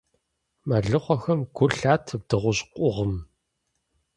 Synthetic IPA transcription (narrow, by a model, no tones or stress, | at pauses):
mɐɮɨχʷɔxɐmɡʷʊɬaːtʰɨb̚dɨʁʷʊɕqʷʼʊʁəm